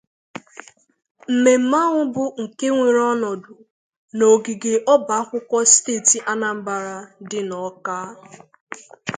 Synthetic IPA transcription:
m̩˨me˨m̩˦ma˦ŋʊ˦bʊ˦ŋ̩˨ke˦ŋʷe˨ɾɔ˦nɔ˨dʊ˨ | no˨ɡi˨ɡe˨ʔɔ˦ba˨a˦kʷʊ˦kʷɔ˦steː˦˨ti˨ʔa˦na˨m̩˦ba˨ɾa˨dɪ˦nɔ˨kaː˦

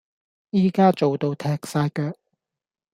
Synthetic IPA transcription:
jiː˨˧kaː˥t͡ʃo˨wt̪o˧wt̪ʰɛː˧k̚saː˧jkœː˧k̚

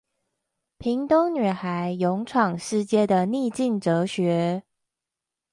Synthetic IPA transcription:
pʰi˧˥ŋt̪ʊ˥ŋny˨˩xa˧˦ɪjʊ˧˥ŋʈ͡ʂʰwɑ˨˩ŋʂɻ̩˥˧t͡ɕjɛ˥˩d̪ə˨ni˥˧t͡ɕi˥˩nʈ͡ʂɤ˧˥ɕɥɛ˧˥

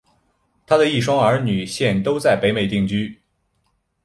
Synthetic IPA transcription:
t̪ʰa˥d̪ə˨i˥˩ʂwɑ˥ŋə˞˧˥ny˨˩ɕjɛ˥˧˩nt̪o˥ʊt͡sa˥˩ɪpe˧˥ɪme˨˩ɪt̪i˥˩ŋt͡ɕy˥

